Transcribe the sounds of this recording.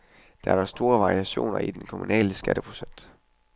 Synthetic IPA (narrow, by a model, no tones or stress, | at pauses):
d̥ɑ̈æɐ̥ɑsd̥o̝ːɐʋɑ̈ʁiæɕo̝̰ːnɐid̥enkʰo̝munɛ̰ːləsɡ̥æɾ̥əpʰʁo̝̥sen̰d̥